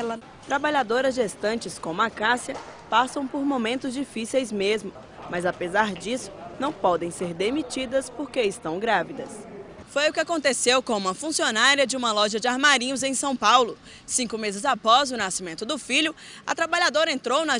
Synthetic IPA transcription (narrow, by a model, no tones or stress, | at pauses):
lɐ | t̪ɾabaʎad̪oɾɐzd͡ʒest̪ɐ̃nt͡ʃɪskõmʊakasiɐpasɐ̃w̃poɾmõmẽnt̪ʊzd͡ʒifisejzmezmʊ | mɐzapezaɾd͡ʒisʊ̥nɐ̃w̃pɔd̪ẽj̃seɾd̪emit͡ʃid̪ɐspoɾkeɪst̪ɐ̃w̃ɡɾavid̪ɐs | fojʊkɪakõnt̪esewkõũmɐfũsionaɾiɐd͡ʒɪũmɐlɔʒɐd͡ʒɪaɾmaɾĩɲʊzẽj̃sɐ̃w̃pawlʊ | sĩkʊmezɪzapɔzʊnasimẽnt̪ʊd̪ʊfiʎʊɐt̪ɾabaʎad̪oɾɐẽnt̪ɾownɐ